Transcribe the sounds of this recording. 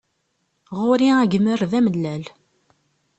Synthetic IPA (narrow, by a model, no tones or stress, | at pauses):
ʁʊɾiæɡəməɾðæməlːæl